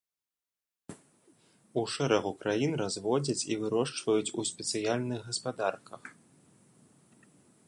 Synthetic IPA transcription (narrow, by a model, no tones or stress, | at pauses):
uʂɛɾɐɣukɾʔajinrazvɔd͡zʲɐt͡sʲivɨɾɔʂt͡ʂvɐjut͡sʲusʲpʲɛt̪sɨjalʲnɨɣɣɐspad̪arkɐx